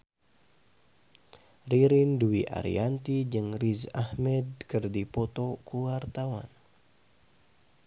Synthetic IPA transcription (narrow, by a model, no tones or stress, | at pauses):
riɾinduiʔa̰ɾḭant̪id͡ʒɨŋrizahmɛd̚kɨrdipɔt̪okuwart̪awa̰n